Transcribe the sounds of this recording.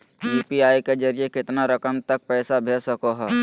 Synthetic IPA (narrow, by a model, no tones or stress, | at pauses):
juːpiaːiked͡ʒɐɾiekɪt̪naɾɐkəmt̪ɐk̚pɛːsabʱeːsəkoɦɛː